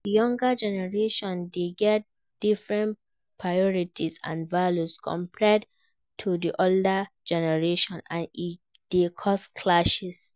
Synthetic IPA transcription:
jɔ̃ŋɡəd͡ʒɛnɛɹeʃɔ̃ndeɡɛt̚ | d̥ifɹɛ̃n | pʰɹajɔɹitʰisã̰nvaljuskʰɔ̰̃mpʰɹɛd | tʰudiʔoldə | d͡ʒɛnɛɹeʃɔ̃nãni | d̥ekʰɔskʰlaʃɛs

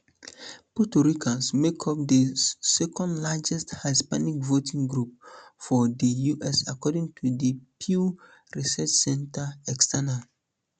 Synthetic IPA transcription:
putuɹikʰãsmekʰɔp̚dəsɛkʰɔ̃ndlad͡ʒɛsthaɪspanikvotĩŋɡɹup̚fɔdəjuʔɛsakɔdĩŋtʰudəpʰju | ɹisɛt͡ʃsɛ̃ntaɛkstʰɛnal

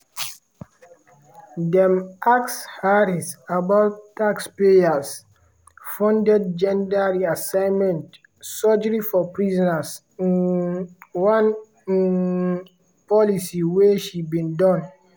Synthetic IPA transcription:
dɛ̃makshaɾisabaʊttːakspejas | fɔ̃ndɛd̚d͡ʒɛ̃ndaɹiasãɪnmɛ̃nt | sɔd͡ʒəɹifɔpɹizɔnas | ĩn | wãn | pɔlisiweʃibĩndɔ̃n

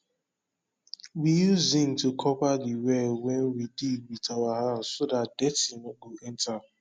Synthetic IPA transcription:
wijuzĩntukʰɔpadiwɛwɛnwidiwitʰawaɦasodatdɛtinɔɡoʔɛnta

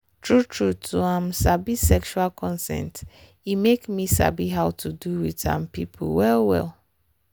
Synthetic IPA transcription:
tʰɹutʰɹutʰuãmsabisɛkʃualkʰɔ̃nsɛ̰̃nt | imekmisa̰biɦaʊtʰuduwitã̰mpipʰṵwɛlwɛ̰l

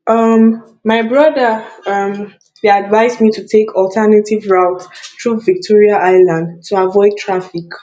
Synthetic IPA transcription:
ʔʌm | maɪbɹʌdəʌm | dadvaɪzmitʰutʰekʰɔltʰanativɹaʊtθɹuvik̚tʰɔɹiaʔaɪlãndtʰuavɔɪd̚tʰɹafik

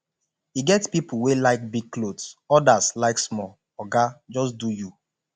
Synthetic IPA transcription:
iɡɛtspipuwelaɪk̚biɡ̚klodsɔdaslaɪksmɔ | ɔɡad͡ʒɔs̬duju

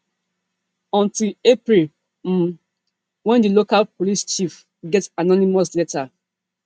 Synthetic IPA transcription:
ɔ̃ntilepɹil | m̩ | wɛ̃ndilokalpolist͡ʃif | ɡɛtanɔnimɔslɛta

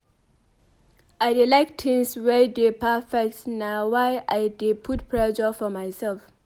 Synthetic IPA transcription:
ajdelaɪk̚tʰĩŋswɛdepʰɛfɛk̚tnawajʔaɪdepʰut̚pʰɹɛʃəfɔmajsɛlf

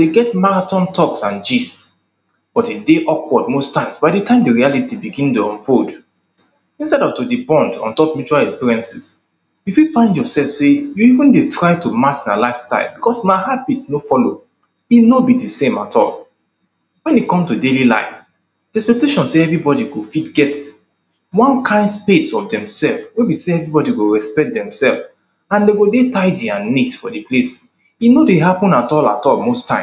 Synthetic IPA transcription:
d̥eɡɛtmaɹatɔ̃ntʰɔksãnd͡ʒists | b̥ɔtideʔɔkwɔd̚mostãɪ̃msbaɪdətãɪ̃mdiɹialitibiɡĩndeɔ̃nfold | ĩnsaɪdɔvtudibɔ̃ndɔ̰̃ntɔpmjut͡ʃualɛkspiɹiɛ̃nsis | jififãɪ̃ndjɔsɛlfsejuivə̃ndetʰɹaɪtumat͡ʃmalaɪfsta̰ɪlbikɔsmahabit̚nofɔlo | inobidisẽmatʰɔ̰l | wɛ̃nikɔ̃mtudelila̰ɪf | d̥iɛspɛk̚teʃɔ̃nseɛvɹibɔdiɡofitɡɛt | wɔ̃nkʰãɪ̃ndspetsɔfdɛ̃msɛlfwebiseɛvɹibɔdiɡoɹɛspɛk̚t̚dɛ̃msɛlf | ãndeɡodetaɪdiãnːitfɔdeples | inodeɦapɔ̃natɔla̰tɔlmostʰːãɪ̃

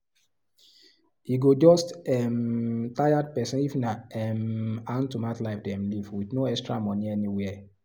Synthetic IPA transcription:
iɡod͡ʒɔstɛmtajad̚pɛsɛ̃nifnaɛmãntumatlaɪfdɛ̃mlivwiθnoɛkstɹa̰mɔniɛniwɛ

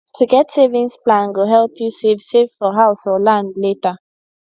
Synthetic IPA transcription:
tʰuɡɛtsevĩnsplãnɡoɦɛlˠpjusevsevfɔɦaʊsɔlãndletə

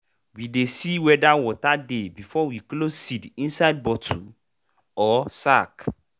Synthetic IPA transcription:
widesiwɛdawɔtadebifɔwiklosːidĩnsaɪd̚bɔtʰṵ | ɔsak

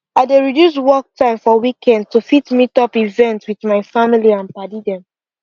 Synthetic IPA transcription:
aɪdeɹidjus̬wɔk̚tʰãɪ̃mfɔwikʰɛ̃nd̚tufitmitɔpivɛ̃ntwiθmaɪfamiliãnpadidɛ̃m

